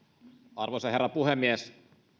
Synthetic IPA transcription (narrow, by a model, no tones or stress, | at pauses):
ɑrʋosɑherːɑpuhemːies